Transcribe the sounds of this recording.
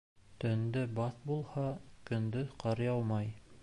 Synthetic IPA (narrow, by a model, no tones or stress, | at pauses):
t̪ɵ̆nd̪ɘbɑθbulˠhɑkɵ̆nd̪ɵqɑɾjɑwmɑj